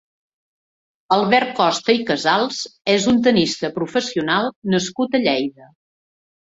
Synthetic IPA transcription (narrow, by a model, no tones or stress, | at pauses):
əlˠβɛr̚kɔst̪əikəzalˠz̥ezunt̪̬ənist̪əpɾufəsiunalˠnəskut̪əʎɛjðə